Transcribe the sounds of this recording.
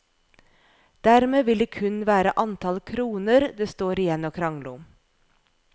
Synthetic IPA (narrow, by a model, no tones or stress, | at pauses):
d̪̥æɾmeːʋɪld̪eːkʰʉnʋæːɾəʔɑnt̪ʰɑlkʰɾuːnəɾd̪eːst̪oːɾɪjɛnoːkʰɾɑŋlʊ̰